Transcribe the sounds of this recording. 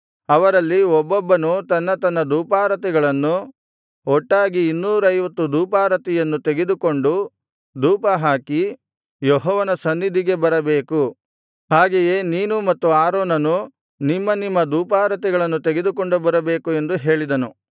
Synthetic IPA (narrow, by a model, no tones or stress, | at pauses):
ɐʋɐɾɐlːiɔbːɔbːɐnut̪ɐnːɐt̪ɐnːɐd̪uːpaːɾɐt̪ɛɡɐɭɐnːu | ɔʈːaːɡiːnːuːɾɐjʋɐt̪ːud̪uːpaːɾɐt̪ɛjɐnːut̪eɡe̞d̪ukoɳɖu | d̪uːpɐɦaːki | jɔɦɔːʋɐnɐsɐnːid̪ʱiɡe̞bɐɾɐbe̞ːku | haːɡeje̞ːniːnumɐt̪ːuaːɾoːnɐnu | nimːɐnimːɐd̪uːpaːɾɐt̪̬ɛɡɐɭɐnːut̪eɡe̞d̪uko̞ɳɖubɐɾɐbe̞ːkue̞nd̪uɦe̞ːɭid̪ɐnu